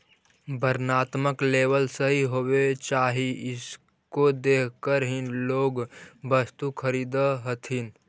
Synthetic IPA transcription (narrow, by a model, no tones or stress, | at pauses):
bəɾnaːt̪məkleːʋəlsəɦiɦoːwet͡ʃaːɦiɪs | kod̪eːkʰkəɾɦɪnloːɡbəst̪ukʰəɾiːd̪əɦət̪ʰɦɪn